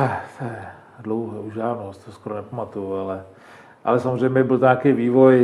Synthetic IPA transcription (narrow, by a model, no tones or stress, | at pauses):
t̪ɛjɛ | dlɔwɦɛuʒaːnst̪oskoɾonɛpamat̪ujualɛ | ʔa̰lɛsamozrɛjmɲɛbɪlt̪oɲaːkejviːvoj